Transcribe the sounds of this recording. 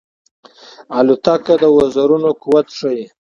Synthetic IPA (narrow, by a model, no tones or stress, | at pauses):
alut̪akad̪əwazaɾunokuwat̪ʂəji